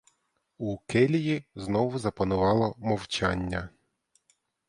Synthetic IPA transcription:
ukɛlʲijiznɔʋʊzɐpɐnʊʋɑlˠɔmɔwt͡ʃanʲːɐ

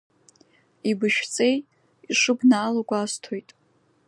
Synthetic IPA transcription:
ibɨʃᶣt͡sʼe̞j | iʂɨbnaːlakʷʼaːstʰojtʼ

